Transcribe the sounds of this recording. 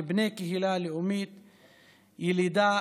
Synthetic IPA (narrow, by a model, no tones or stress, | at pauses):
bnekeɦilaleʔumit̪ | jilid̪a